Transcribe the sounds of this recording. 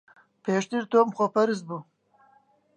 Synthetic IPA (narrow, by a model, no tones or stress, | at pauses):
peʂt̪iɾt̪omχopaɾz̬bu